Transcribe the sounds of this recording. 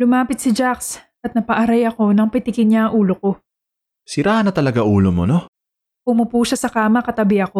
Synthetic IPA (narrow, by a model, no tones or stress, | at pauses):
lʊmaːpɪt̪̚sɪd͡ʒaksʔɐt̪̚nɐpɐʔɐɾajɐko̞nɐŋpɪt̪ɪkɪnɲaɐŋʔuːlo̞ko̞ | sɪɾaːhɐnɐt̪ɐlɐɡaʔuːlomono | pʊmʊpuːʃasɐkaːmɐkɐt̪ɐbɪhɐko̞